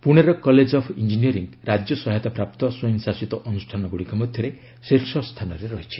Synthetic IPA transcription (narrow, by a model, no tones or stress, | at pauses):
puɽ̃eɾɔkɔled͡ʒɔpʰind͡ʒiniɔɾiŋɡɾad͡ʒjɔsɔɦajt̪apɾap̚t̪ɔsɔjɔŋsasit̪ɔʔɔnusʈʰanɔɡuɽikɔmɔd̪ʱjɔɾe | siɾsɔst̪ʰanɔɾeɾɔɦit͡ʃʰi̥